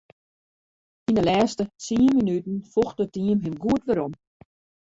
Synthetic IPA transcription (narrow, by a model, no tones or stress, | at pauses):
inəlɛːstət͡sinminytn̩fɔxdətiəmɦɪmɡuətʋəɾɔm